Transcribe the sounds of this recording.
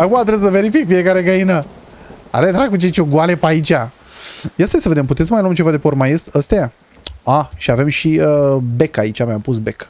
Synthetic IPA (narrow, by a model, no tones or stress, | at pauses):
akumat̪ɾessəve̞ɾifikfie̞kaɾeɡəinə | a̰led̪ɾakut͡ʃet͡ʃʲoɡwale̞pait͡ʃʲa | jast̪jasəved̪e̞mp̬ut̪et̪səmajluamt͡ʃe̞vad̪e̞peormajest̪əst̪eja | aʃiave̞mʃiəbe̞kait͡ʃʲamjampusbe̞k